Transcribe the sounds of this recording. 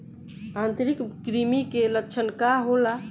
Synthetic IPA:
ãnt̪ɾikkɾimikeləkːt͡ʃʰənkaɦola

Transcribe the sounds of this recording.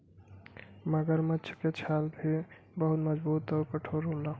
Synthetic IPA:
məɡəɾmətːt͡ʃʰket͡ʃʰaːlbʱi | bəɦʊt̪məd͡ʒbuːt̪ɔːɾkəʈʰoɾõla

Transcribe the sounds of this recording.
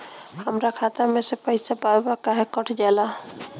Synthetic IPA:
həmɾakʰat̪amesepəɪsapaebakaɦekəʈʰd͡ʒala

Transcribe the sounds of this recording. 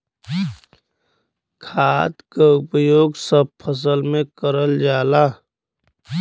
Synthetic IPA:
kʰaːt̪kaʊpəjoːɡsəb̚pʰəs̬əlmẽkəɾəld͡ʒaːla

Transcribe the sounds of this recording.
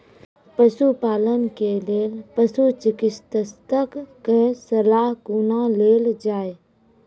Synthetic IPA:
pəsupaːlənkeleːlpəsut͡ʃɪkɪst̪əst̪əkkesəlaːɦkuːnaleːld͡ʒaːe

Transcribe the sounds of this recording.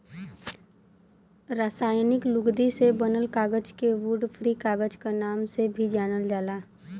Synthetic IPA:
ɾaːsaːjnɪklʊɡd̪isebənəlkaːɡəd͡ʒkeʋuːɖfʰɾiːkaːɡəd͡ʒkanaːmsebʱid͡ʒaːnəld͡ʒaːlaː

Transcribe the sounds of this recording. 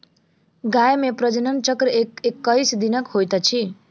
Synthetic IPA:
ɡajmeprʌd͡zʌnʌnt͡sʌkrekekːʌjsd̪inʌkhojt̪ʌt͡sʰi

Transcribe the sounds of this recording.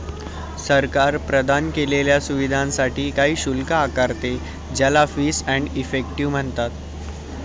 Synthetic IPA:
səɾkaɾpɾəd̪ʱankeleljasuʋid̪ʱãnsaʈiːkaɦiːɕulkaːkaɾt̪e | d͡ʑalafiːsɛ̃ɳɖifek̚ʈiʋm̤əɳt̪at̪

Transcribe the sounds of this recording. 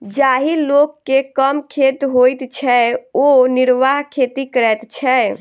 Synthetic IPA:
d͡ʒaɦilokːekəmkʰet̪ɦojt̪t͡ʃʰɛoniɾʋaɦkʰet̪ikəɾɛt̪t͡ʃʰɛ

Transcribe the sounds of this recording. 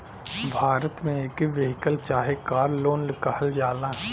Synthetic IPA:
bʱaːɾət̪mẽeːkʋeɦɪkəlt͡ʃaːɦekaːɾloːnlɪkahəld͡ʒaːlãː

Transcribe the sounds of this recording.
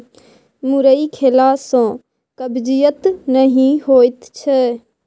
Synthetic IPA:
mʊɾəikʰelaːsõː | kəbd͡ʒijət̪nəɦĩhoːɪt̪t͡ʃʰɛ

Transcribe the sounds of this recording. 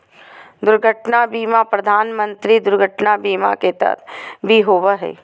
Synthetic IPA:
d̪ʊɾɡʱəʈnabiːmapɾɐd̪ʱaːnmə̃nt̪ɾid̪ʊɾɡʱəʈnabiːma̰ket̪ɐ̰t̪ʰbʱiɦoːʋəɦɛ̰ː

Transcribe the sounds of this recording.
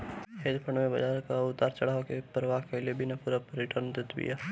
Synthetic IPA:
ɦeːd̪pʰəɳmẽbɐd͡ʒaːɾkaʊt̪ːaːɾt͡ʃɐɽ̤aːokepɾəʋaːɦkeliebʱinɐpuːɾapɾɪʈəɾnd̪ɪt̪bḭjaː

